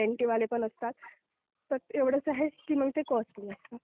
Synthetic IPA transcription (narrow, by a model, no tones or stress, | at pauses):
eɳʈiʋalepəɳəst̪at̪̚ | p̪əɾeʋɽ̤ət͡səɦekiːm̤əɡt̪ekɔsliːəst̪a